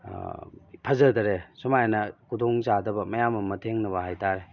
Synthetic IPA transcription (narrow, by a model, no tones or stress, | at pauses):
pʰɐzɐdɐɾesumajnɐkʰudɔŋzadɐbɐmɐjamɐmɐtʰeŋnɐbɐɦajtʰaɾe